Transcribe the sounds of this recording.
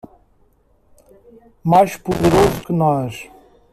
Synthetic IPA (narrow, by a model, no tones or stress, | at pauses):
majʃpuðɨɾozukɨnɔʃ